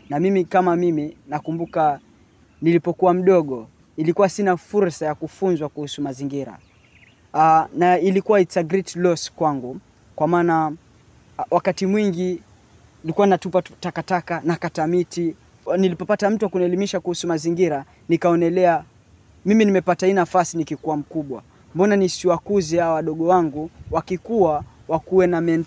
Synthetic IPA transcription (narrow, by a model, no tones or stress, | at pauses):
namimikamamiminakumbuka | nilipɔkuwam̩ɗɔɠɔ | ilikuwasinafuɾsajakufunzwakuhusumaziŋɡiɾa̰ | nailikuwaisaɡɾitlɔskwaŋɡu | kwamaːna | wakatimwiŋɡi | ilikuwannatupatakatakanakatamiti | nilipɔpatam̩tuwakunɛlimiʃakuhusumaziŋɡiɾa | nikaɔnɛlɛa | miminimɛpatahiːnafasinikikuwam̩kuɓwa | mbɔnanisiwakuziaɔwaɗɔɠɔwaŋɡuwakikuwa | wakuwɛnamɛn